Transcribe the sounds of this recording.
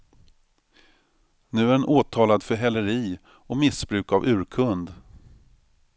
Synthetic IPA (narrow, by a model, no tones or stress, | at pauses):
nʉ̟ːæɛnʔoːt̪ʰɑːlad̪fœɦɛlːəɾiː | ɔmɪsbɾʉ̟ːkavʉ̟ːɾkʰɵnd̪